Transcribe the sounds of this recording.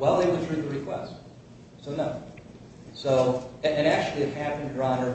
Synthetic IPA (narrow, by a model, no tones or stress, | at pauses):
wɛlˠðeɪwəlˠtʰɹ̥ʉðəɹɨkʰw̥ɛ̰st | soʊnoʊ | soʊɨ̃næk̚t͡ʃʉl̩ˠiɨt̚hæpɨ̃ndɹɑ̃nə˞